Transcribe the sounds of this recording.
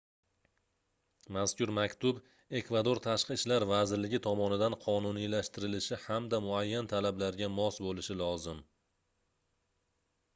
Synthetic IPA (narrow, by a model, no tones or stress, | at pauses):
maskʲʊɾmakʲt̪ʰʊb | e̞kvad̪o̞ɾt̪ʰaʃqɨʃlaɾvazɪɾlɪɡʲɪt̪ʰɒmɒnɪd̪anqʰɒnʊnijlaʃt̪ɪɾɪlɪʃɪhamd̪amʊajːant̪ʰalablaɾɡʲamɒsbolɪʃɪlɒzɪm